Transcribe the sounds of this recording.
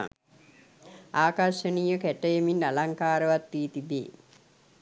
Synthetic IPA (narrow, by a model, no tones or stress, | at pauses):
aːkaɾʃəniːjəkæʈəjeminːalaŋkaːɾəʋat̪ːiːt̪ibḛː